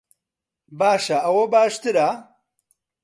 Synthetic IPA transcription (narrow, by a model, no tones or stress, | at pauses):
baːʃɐɐwɐbaːʃt̪ɨɾa